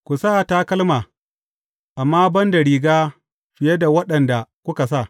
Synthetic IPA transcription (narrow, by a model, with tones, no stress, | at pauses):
kʷu˨saː˦˨taː˦kɐ˦lmaː˨ | ʔa˨mːaː˦bɐ˦ndɐ˨ɽiː˨ɡaː˦ | ɸɪ˨je˦da˨wɐ˦ɗɐ˨nda˨kʷʊ˦ka˨sa˦˨